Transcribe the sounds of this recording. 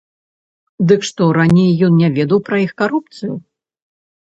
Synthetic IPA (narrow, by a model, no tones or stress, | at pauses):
d̪ɨkʂt̪ɔɾanʲejːɔnnʲɛvʲɛd̪ɐwpɾɐixkaɾupt̪sɨju